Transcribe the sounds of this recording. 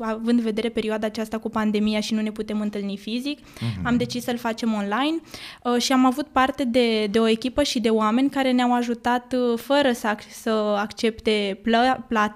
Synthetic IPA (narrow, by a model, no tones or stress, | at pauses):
avɨnd̪ve̞d̪e̞ɾe̞pe̞ɾioad̪aːt͡ʃast̪akupand̪e̞mijaʃinune̞put̪e̞mɨnt̪ɨlnifizikamd̪e̞t͡ʃissəlfat͡ʃe̞mo̞nlajnʃiamavut̪̚part̪e̞d̪e̞d̪eo̞e̞kʲipəʃid̪e̞oame̞nʲkaɾe̞neawaʒut̪at̪fəɾəsəsəakt͡ʃe̞pt̪e̞pplat̪